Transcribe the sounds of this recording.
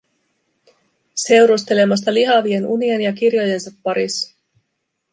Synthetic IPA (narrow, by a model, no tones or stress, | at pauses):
se̞wɾust̪e̞le̞mɑs̬t̪ɑliɦɑʋie̞nunienjɑkirjo̞je̞nsɑpːɑɾis